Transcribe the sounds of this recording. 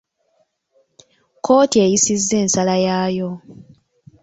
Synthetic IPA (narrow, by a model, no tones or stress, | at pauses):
ko̞ːtie̞jisizːe̞ːnsalajaːjo̞